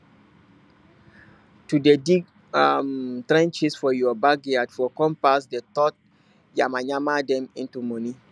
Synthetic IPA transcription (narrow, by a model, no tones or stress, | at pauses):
tudediɡ | amtɾɛ̃nt͡ʃisfɔjɔbaɡɛadfɔkɔ̃mpasdetɔt̚ | jamaɲamadɛ̃mĩntumɔni